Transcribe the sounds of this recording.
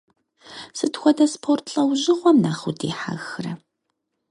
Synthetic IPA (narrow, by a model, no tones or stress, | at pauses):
sɨtxʷɔdɐspʰortʰɬʼɐwʑɪʁʷɔmnaːχudiːħa̰ɣxɨrɐ